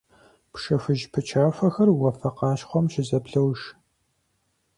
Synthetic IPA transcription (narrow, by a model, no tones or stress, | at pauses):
pʂɐfɨʒpʰɨt͡ʃʰaːfɐxɐrwɐfɐqɑːʃχʷɔmʃɪzɐpɬɐwʃ